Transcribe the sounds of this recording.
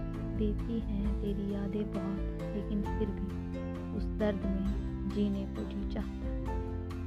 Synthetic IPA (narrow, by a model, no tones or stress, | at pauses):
d̪eːt̪iɦɛ̃t̪eːɾijaːd̪ebaːt | leːkɪnpɪɾbʱi | ʊsd̪ɐɾd̪ʱmẽ | d͡ʒiːnepʊːʈʰit͡ʃaːɦt̪aːɦ